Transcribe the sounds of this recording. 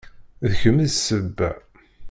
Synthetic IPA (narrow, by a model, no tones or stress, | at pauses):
ðəçəməðsəbːæ̰